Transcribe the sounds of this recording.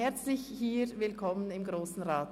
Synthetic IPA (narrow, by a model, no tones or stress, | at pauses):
ɛɐt͡slɪçhiːvɪlkʰɔmənɪmɡʁoːsn̩ʁaːt